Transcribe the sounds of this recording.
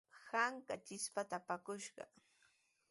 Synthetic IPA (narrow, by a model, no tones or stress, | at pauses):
haŋkat͡ʃɪspat̪apakʊʃɢɑ̰